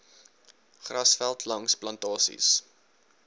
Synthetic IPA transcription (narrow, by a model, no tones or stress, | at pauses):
χrɐsfælˠtʰlɐŋsplɐntɑːsḭs